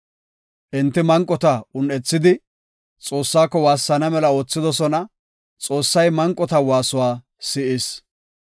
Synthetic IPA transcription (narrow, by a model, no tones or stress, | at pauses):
ʔɪnt̪ːɪmɐŋkʼːɔt̪ɐʊnɛt͡sːɪd̪ɪ | t͡sʼo̞ːsːaːkːɔwaːsːɐnɐmɛlɐo̞ːt͡sːɪd̪ɔsɔnɐ | t͡sʼo̞ːsːɐjmɐŋkʼːɔt̪ɐwaːsʊwaː | sɪʔɪs